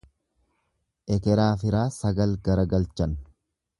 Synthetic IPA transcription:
ʔɛkɛɾaːfɪɾaːsɐɡɐlɡɐɾɐɡɐlt͡ʃɐn

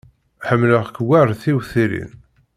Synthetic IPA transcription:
ħəmːləʁkːwærˤθiwθiɾḭn

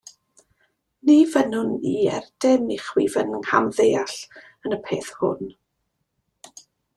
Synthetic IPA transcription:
nivənʊniɛrd̥ɛniχwḭvənŋha̰mðejaɬ | ənəpʰeːθhʊ̰n

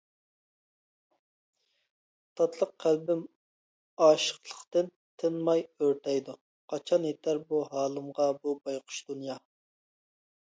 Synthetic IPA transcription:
t̪ʰɑt̪ʰlˠəqʰːælbɪm | ɑːʃə̥qlˠəqt̪ɨn | t̪ʰɪnmɑjøɾt̪ʰɛjd̪u | qʰɑt͡ʃʰɑnet̪ʰæɾbuɦɑːlˠɨmʁɑbubɑjqʰʊ̥ʃd̪unjɑ

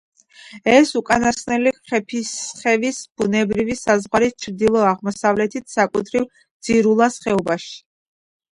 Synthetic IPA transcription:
ɛsukʼanasnɛliqʼχɛpʰisχɛvisb̥unɛbɾivisazʁwaɾist͡ʃʰɾd̪ilˠɔaʁmɔsavlɛt̪ʰit̪ʰsakʼut̪ʰɾiv | d̪z̥iɾulˠasχɛɔbaʃi̥

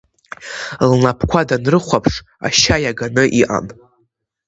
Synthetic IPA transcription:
lnapʰkʷʰadanrɨχʷapʰʂ | a̰ʃajaɡanɨʔiʔa̰n

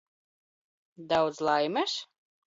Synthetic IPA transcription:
d̪awd̪zlˠajmæʃ

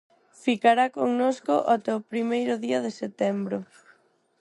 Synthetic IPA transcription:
fikaɾakoŋnoskʊʔot̪ɛwpɾimejɾʊðiɐðeset̪ɛmbɾʊ

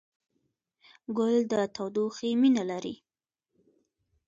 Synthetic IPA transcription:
ɡʊld̪ət̪awd̪uximinalaɾḭ

